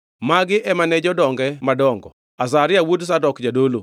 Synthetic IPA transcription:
maɡɪʔɛmanɛd͡ʒɔdɔŋɡɛmadɔŋɡɔ | asaɾɪawods̬adɔkd͡ʒadolo

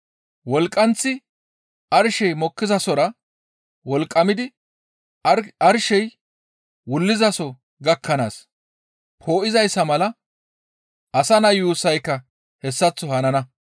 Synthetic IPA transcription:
wɔlkʼːɐnt͡sːɪ | ɐɾʃɛjmɔkːɪzɐsɔɾɐ | wɔlkʼːɐmɪd̪ɪ | ɐɾʃɛj | wʊlːɪzɐsɔ | ɡɐkʰːɐnaːs | pʰo̞ːʔɪzɐjsːɐmɐlɐ | ɐsɐnɐjuːsɐjkːɐ | hɛsːɐt͡sːɔhɐnɐnɐ

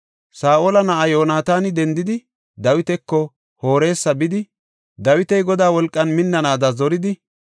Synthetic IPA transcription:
saːʔoːlɐnɐʔɐjo̞ːnaːt̪aːnɪd̪ɛnd̪ɪd̪ɪ | d̪ɐwɪt̪ɛkːɔ | ho̞ːɾe̞ːsːɐbɪd̪ɪ | d̪ɐwɪt̪ɛjɡɔd̪aːwɔlkʼːɐnmɪnːɐnaːd̪ɐzɔɾɪd̪ɪ

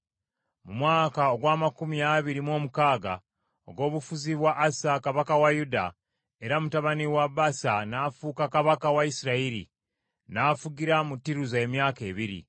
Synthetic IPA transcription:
mumwaːkaoɡwaːmakumiaβiɾimo̞ːmukaːɡa̰ | o̰ɡo̞ːβufuziβwaʔːsakaβakawajuda̰ | e̞ɾamutaβaniwaβasanafuːkakaβakawaisiɾaiɾḭ | nafuɡiɾamutːiɾuzaemjaːke̞βiɾḭ

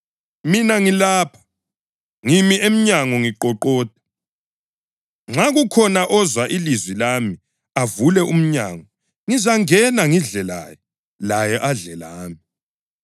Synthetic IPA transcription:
minaŋilaːpʰḁ | ŋimiem̩ɲaŋɔŋiǃɔǃɔːd̥ʱʼḁ | ŋ͡ǁaɣukʰɔnaʔɔzwaʔilizwilami | avulɛʔum̩ɲaːŋɔ | ŋizaŋɛnaŋiɮɛla̰jɔ | lajɛʔaɮɛlaːmi

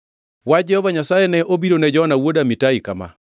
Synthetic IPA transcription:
wad͡ʒɛhɔvaɲasajɛnɛʔobiɾonɛd͡ʒɔnawodamitaikama̰

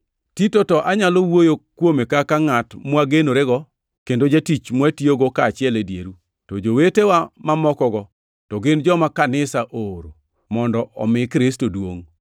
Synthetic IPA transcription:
titotɔʔaɲalowojokwomekakaŋatmwaɡenoɾeɡɔ | kendod͡ʒetit͡ʃmwatioɡokaːt͡ʃɪɛledjḛɾu | tɔd͡ʒowetewamamɔkɔɡɔ | tɔɡɪnd͡ʒɔmakanɪsaʔoɾo | mɔndɔʔɔ̰mɪkɾɪstodwo̰ŋ

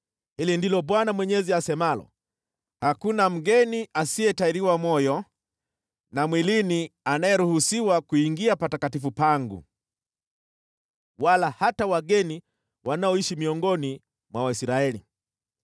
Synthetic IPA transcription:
hilindilɔɓwanamwɛɲɛziasɛmalɔ̰ | hakunam̩ɡɛniʔasiɛtaiɾiwamɔjɔ | namwilinianajɛɾuhusiwakuiŋɡiapatakatifupaŋɡṵ | walahatawaɡɛni | wanaɔiʃimiɔŋɡɔni | mwawaisɾaɛli

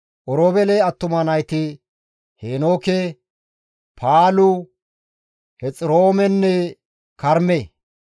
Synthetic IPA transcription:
ʔɔɾoːbɛleɐt̪ːʊmɐnɐjt̪ɪ | heːnoːke | pʰaːlʊ | hɛt͡sʼɾoːmɛnːɛ | kɐɾme

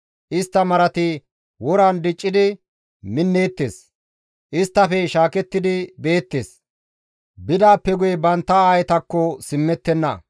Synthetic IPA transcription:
ʔɪst̪ːɐmɐɾɐt̪ɪ | wɔɾand̪ɪt͡ʃʼːɪd̪ɪ | mɪnːe̞ːt̪ːeːs | ʔɪst̪ːɐfɛʃaːkɛt̪ːɪd̪ɪbe̞ːt̪ːeːs | bɪd̪aːpːɛɡʊjɛbɐnt̪ːɐaːjɛt̪ɐkːɔsɪmːɛt̪ːɛnːɐ̰

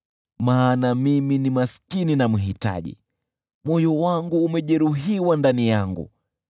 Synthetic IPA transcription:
maːnamiminimaskininamuɦita̰ʄḭ | mwɔjɔwaŋɡuːmɛʄɛɾuɦiwandanijaŋɡṵ

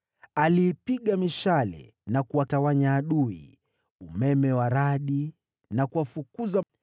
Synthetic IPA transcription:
aliːpiɠamiʃalɛ̰ | nakuwatawaɲaːɗuḭ | umɛmɛwaɾaɗi | nakuwafukuza

